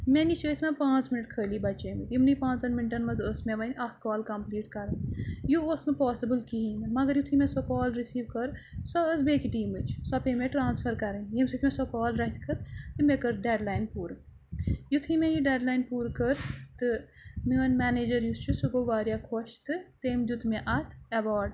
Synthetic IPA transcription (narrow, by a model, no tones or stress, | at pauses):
menit͡ʃəːsmepãːt͡sminɨʈkʰəːlibɐt͡ʃeːmɨt̪imnipãːt͡sɐnminʈɐnmɐzəsmeʋɐnʲɐhkɔːlkɐmpliːʈkɐɾɨnjuosnɨpɔːsibɨlkiɦinɨnmɐɡɐɾjut̪ʰimẽsɔkɔːlɾisiːʋkɐɾsɔəzbeːkiʈiːmɨt͡ʃʰsɔpemẽʈɾaːnspʰɐɾkɐɾɐnjemsɨt̪ʲmẽsɔkɔːlɾɐɦit̪ʰkʰɐt̪t̪ɨmekɐɾɖeɖlaːjnpuːɾ | jut̪ʰimejiɖeːɖlaːjnpuːɾkəɾt̪ɨ | miʋɐnmɛːneːd͡ʒɐɾjust͡ʃʰusuɡoʋaːɾʲijakʰoʃt̪ɨt̪eːmd̪ʲjut̪ʰmeʔɐt̪ʰɐʋaːɖ